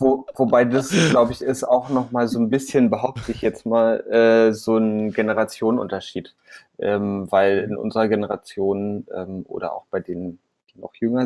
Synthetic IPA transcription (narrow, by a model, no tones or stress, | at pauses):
vovobaɪdasɡ̥laʊbəɪçɪsaʊxnɔχmaːlzoːnbɪsçənbəɦaʊp̚tʰəɪçjɛt͡stmaːlʔɛːzoːnɡenəʁat͡sjoːnnʔʊ̰ntɐʃiːt | ʔɛːmvaɪlɪnʔʊ̰nzəʁɐɡenəʁa̰t͡sjoːnʔɛ̰ːmʔo̰ːdɐ̰ʔa̰ʊxb̥aɪdeːnən | d̥iːnɔ̰χjʏŋɐ